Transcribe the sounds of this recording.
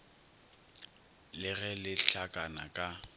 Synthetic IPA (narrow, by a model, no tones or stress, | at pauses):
lɪɣɛlɪɬakʼana̰kʼa